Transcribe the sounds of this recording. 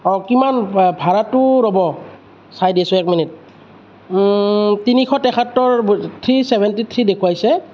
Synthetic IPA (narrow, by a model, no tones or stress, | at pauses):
ɔkimanbʱaɹatːʊɹɔbɔ | sajdiasʊɛk̚minit̚ | tinikʰɔtɛkʰatːɔɹt̪ʰɹisɛbʱɛntit̪ʰɹidekʰuwajsɛ